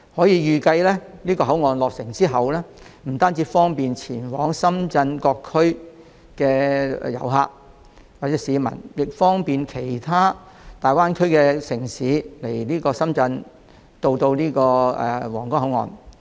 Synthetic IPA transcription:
hɔː˨˥jiː˨˧jyː˨˧kɐ˧jlɛː˥liː˥kɔː˧ɦɐ˨˥wŋɔː˨nlɔː˨k̚sɪ˨˩ŋt͡siː˥ɦɐ˨wlɛː˥m̩˨˩t̪aː˥nt͡si˨˧˥fɔː˥ŋpiː˨nt͡sʰiː˨˩nwɔː˨˥ŋsɐ˥mt͡sɐ˧nkɔː˧kʰːɵ˥ɥ | kɛː˧˨jɐ̰˨˩wɦa̰ː˧k̚ | waː˨k̚t͡sɛ˨˥siː˨˧mɐ̰˨˩njɪ˨k̚fɔː˥ŋpiː˨nkʰe˨˩jt̪ʰaː˥ | t̪aː˨jwaː˥nkʰɵ˥ɥkɛː˧sɪ˨˩ŋsiː˨˥le˨˩jliː˥kɔː˧sɐ˥mt͡sɐ˧n | t̪o˧wt̪o˧wniː˥kɔː˧ɛ̰˨˧wɔː˨˩ŋkɔː˥ŋɦɐ˨˧˥wŋɔ̰ː˧n

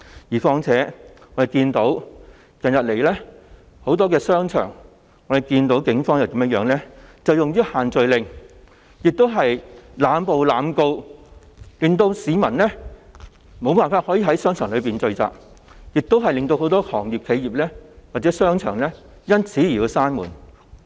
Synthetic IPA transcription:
jiː˨˩fɔː˧ŋt͡sʰɛː˨˥ŋɔː˨˧˥de˨˩kiː˧nt̪o˨˥w | kɐ˨njɐ˨t̚le˨˩jlɛː˥ | ho˨˥wt̪ɔː˥kɛː˧sœː˥ŋt͡ʃʰœ̰ː˨˩ŋː | ɔː˨˥d̪e˨jkiː˧nt̪o˨˥wkɪ˨˥ŋfɔː˥ŋjɐ˨wk̪i˨˧mjɐ˥jœː˨˧˥ŋlɛː˥t͡sɐ˨wjʊ˨ŋɥyː˥haː˨nt͡sɵ˨ɥlɪ˨ŋ | jɪ˨k̚t̪o˥wɦɐ˨jlaː˨˧mpo˨wlaː˨˧mko˧w | lɪ˨ŋt̪o˧wsiː˨˧mɐ˨˩nlɛ˥ | mo˨˧wpaː˨nfaː˧t̚hɔ˨˥jiː˨˩ɦɐ˨˥jsœː˥ŋt͡ʃʰœː˨˩ŋlɵ˨˧p̬iː˨nt͡sɵ˧ɥt͡sa̰ː˨p̚ | jɪ˨k̚t̪o˥wɦɐ˨jlɪ˨ŋt̪o˧who˨˥wt̪ɔː˥hɔː˨˩ŋji˨p̚kʰe˨˧jiː˨˩p̚lɛː˥waː˨t̚t͡sɛː˨˥sœː˥ŋt͡ʃʰœ̰ː˨˩ŋlɛː˥ | jɐ˥nt͡sʰiː˨˥ji˨˩˨i˨˧saː˥nmṵː˨˩n

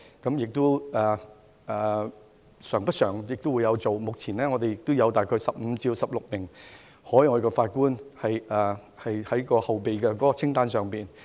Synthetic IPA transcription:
kɐ˨˥mjɪ˨k̚t̪ʊ˥ɛː˨˩ | ɛː˨˩ | sœː˨˩ŋpɐ˥t̚sœː˨˩ŋjɪ˨k̚t̪ʊ˥wuː˨˧jɐ˨˧wt͡so˨wmʊ˨k̚t͡sʰiː˨˩nlɛː˥ŋɔ˨˧t̪e˨jɪ˨k̚t̪o˥wjɐ˨˧wt̪aː˨jkʰɔː˧sɐ˨p̚m̩˨˧t͡siː˧wsɐ˨p̚lʊ˨k̚mɪ˨˩ŋ | hɔː˨˥jŋɔː˨˧kɔ˧faː˧t̚kuː˥nhɐ˨jʔɛː˨˩ | hɐ˨jhɐ˨˥jkɔː˧hɐ˨wpe˨jkɛ˧kɔː˨˥kɔː˧t͡sʰɪ˥ŋt̪aː˥nsœː˨ŋpiː˨˩n

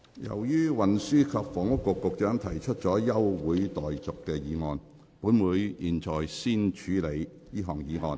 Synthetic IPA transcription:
jɐ̰˨˩wjyː˥wɐ˨nsyː˥kʰɐ˧p̚fɔː˨˩ŋʊ˥kːʊ˨˧kːʊ˨˧k̚t͡ʃœː˨˥ŋt̪ʰɐ˨˩jt͡ʃʰɵ˥t̚t͡ʃɔː˨˥jɐ˥wwuː˨˥jt̪ɔː˨jt͡sʊ˨kːɛː˧jiː˨˧ŋɔː˧n | puː˨˥nmuː˨˧jjiː˨˩nt͡sɔː˨jsiː˥nt͡ʃʰyː˨˥le˨˧j | jiː˥ɦɔː˨˩ŋjiː˨˧ŋɔː˧n

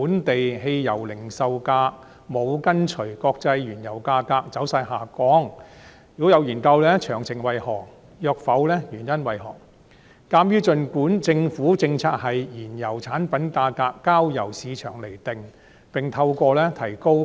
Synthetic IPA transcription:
uː˨˥nt̪e˨jhe˧jjɐ˨˩wlɪ˨˩ŋsɐ˨˧wkaː˧k̚ | mo˨˧wkɐ˥nt͡ʃʰɵ˨˩kɔː˧k̚t͡sɐ˧jɥyː˨˩njɐ˨˩wkaː˧kaː˧k̚t͡sɐ˨˥wsaː˧jɦaː˨˩kɔː˨˥ŋ | jy˨ɔ˥jɐ˨˧wjiː˨˩nkɐ˧wlɛː˥t͡ʃʰœː˨˩ŋsɪ˨˩ŋwɐ˨jhɔː˨˩k̚ | jœː˧k̚fɐ˨˥wlɛː˥jyː˨˩njɐ˥nwɐ˨jɦɔ̰ː˨˩k̚ | kaː˧mjyː˥t͡ʃɵ˧nkuː˨˥nt͡sɪ˧ŋfuː˨˥t͡sɪ˧ŋt͡sʰaː˧t̚hɐ˨jjiː˨˩njɐ˨˩wt͡sʰaː˨˥npɐ˨˥nkaː˧kaː˧kːaː˥wjɐ˨˩wsiː˨˧t͡ʃʰœː˨˩ŋle˨˩jt̪ɪ˨ŋ | pɪ˨ŋt̪ʰɐ˧wkɔː˧lɛː˥t̪ʰɐ˨˩jko˥w

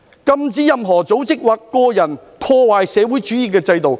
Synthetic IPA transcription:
kɐ˧mt͡siː˨˥jɐ˨mɦɔː˨˩t͡so˨˥wt͡sɪ˥k̚waː˨kːɔː˧jɐ˨˩n | pʰɔː˧waː˨jsɛː˨˧wuː˨˥jt͡ʃyː˨˥jiː˨˧kɛː˧t͡sɐ˧jt̪o˨w

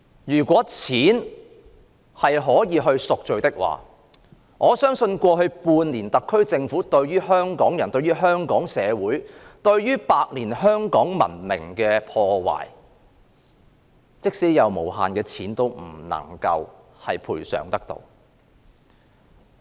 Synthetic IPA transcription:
jyː˨˩kʷwɔː˨˥t͡sʰiː˨˥n | hɐ˨jɦɔː˨˥jiː˨˧ɦɵ˧ɥsʊ˨k̚t͡ʃɵ˨˧ɥt̪ɪ˥k̚wa̰ː˨ | ŋʔɔː˨˧sœː˥ŋsɵ˧nkʷɔː˧ɦɵ˧ɥpuː˧nliː˨˩nt̪ɐ˨kʰːɵ˥ɥt͡sɪ˧ŋfuː˨˥t̪ɵ˧ɥɥyː˥ɦœː˥ŋkɔː˨˥ŋjɐ˨˩nt̪ɵ˧ɥyː˥ɦœː˥ŋkɔː˨˥ŋsɛː˨˧wuː˨˥jt̪ɵ˧ɥɥyː˥paː˧k̚niː˨˩nɦœː˥ŋkɔː˨˥ŋmɐ̰˨˩nmɪ̰˨˩ŋkɛː˧pʰɔː˧wa̰ː˨˩j | t͡sɪ˥k̚siː˥jɐ˨˧wmo̰˨˩wɦa̰ː˨nkɛː˧t͡sʰiː˨˥nt̪o˥wm̩˨˩nɐ̰˨˩ŋkɐ˧w | hɐ˨jpʰuː˨˩jsœ̰ː˨˩ŋt̪ɐ˥k̚t̪o̰˧w

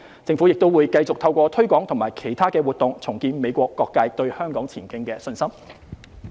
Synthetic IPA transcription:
t͡sɪ˧ŋfuː˨˥jɪ˨k̚t̪o˥wuː˨˧jkɐ˧jt͡sʊ˨k̚t̪ʰɐ˧wkʷɔː˧t̪ʰɵ˥ɥkʷɔː˨˥ŋt̪ʰʊ˨˩maː˨˩jkʰe˨˩jt̪ʰaː˥kɛː˧wuː˨˩t̚t̪ʊ˨ŋt͡sʰʊ˨˩ŋkiː˧nme˨˧jkʷɔː˧kːɔː˧kːaː˧jt̪ɵ˧ɥhœː˥ŋkɔː˨˥ŋt͡sʰiː˨˩nkɪ˥ŋkɛː˧sɵ˧nsɐ˥m

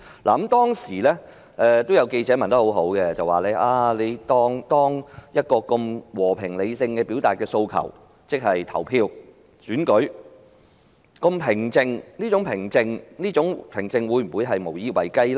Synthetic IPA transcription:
la̰ː˨ɐ˨˦mt̪ɔː˥ŋsiː˨˩lɛː˥ | ʔɛ˧t̪o˥wjɐ˨˧wke˧jt͡sɛː˨˥mɐ˨nt̪ɐ˥ho˨˥wɦo˨˥wkɛ˧t͡sɐ˨waː˨lɛ˨˥ʔaː˧le˨˧jt̪ɔː˥ŋt̪ɔː˥ŋjɐ˥t̚kɔː˧kʊ˧mwɔː˨˩pʰɪ˨˩ŋle˨˧jsɪ˧ŋkɛː˧pi˨˥wt̪aː˨t̚kɛː˧so˧wkʰɐ̰˨˩w | t͡sɪ˥k̚hɐ˨jt̪ʰɐ˨˩wpʰiː˧w | syː˨˥nkɵ˨˥ɥ | kɔ˧mpʰɪ˨˩ŋt͡sɪ˧ŋniː˥t͡sʊ˨˥ŋpʰɪ˨˩ŋt͡sɪ˨ŋniː˥t͡sʊ˨˥ŋpʰɪ˨˩ŋt͡sɪ˨ŋwuː˨˧˥jm̩˨˩u˨˧jɦɐ˨jmo˨˩wjiː˧wɐ̰˨˩jkɐ˥jla˥

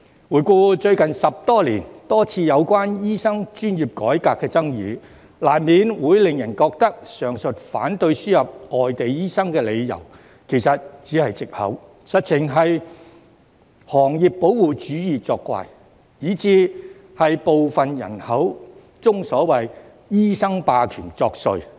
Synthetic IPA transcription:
wuː˨˩jkʷɔː˧t͡ʃɵ˧ɥkɐ˨nsɐ˨p̚t̪ɔː˥liː˨˩nt̪ɔː˥t͡sʰiː˧jɐ˨˧wkʷaː˥njiː˥sɐ˥ŋt͡ʃyː˥njiː˨p̚kɔ̰ː˨˥jkaː˧kːɛː˧t͡sɐ˥ŋjiː˨˧ | laː˨˩nmiː˨˧nwuː˨˥jlɪ˨ŋjɐ˨˩nkɔː˧k̚t̪ɐ˥k̚sœː˨˩ŋsɵ˨t̚faː˨˥nt̪ɵ˧ɥsyː˥jɐ˨p̚ɔː˨jt̪e˨jjiː˥sɐ˥ŋkɛː˧le˨˧jjɐ̰˨˩w | kʰe˨˩jsɐ˨t̚t͡siː˨˥hɐ˨jt͡sɪ˨k̚hɐ̰˨˥w | sɐ˨t̚t͡sʰɪ˨˩ŋɦɐ˨j | hɔː˨˩ŋjiː˨ppːo˨˥wwuː˨˩t͡ʃyː˨˥jiː˨t͡sɔː˧kːʷa̰ː˧j | jiː˨˥t͡siː˧ | hɐ˨jpo˨wfɐ˨njɐ̰˨˩nhɐ˨˥w | t͡sʊ˥ŋsɔː˨˥wɐ˨j | jiː˥sɐ˥ŋpaː˧kʰyː˨˩nt͡sɔː˧k̚sɵ˧ɥ

